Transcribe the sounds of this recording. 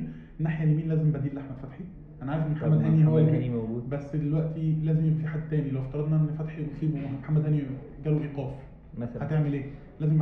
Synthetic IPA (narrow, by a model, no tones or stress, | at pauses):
nːaħjælmiːnlæːzembæd̪iːlʔaħmæd̪fæt̪ħi | ʔænæʕaːjfmemħamːæd̪hæːnihæwælbimæwɡuːbæsːd̪elwæʔt̪ilæːzemjebæfiħad̪ːt̪æːnilæweft̪ɑɾˤɑd̪nɑʔnːfæt̪ħisˤiːbomħamːæd̪hæːni | ɡæːluʔiːqæːf | ææt̪eʕmelʔeː | læːzem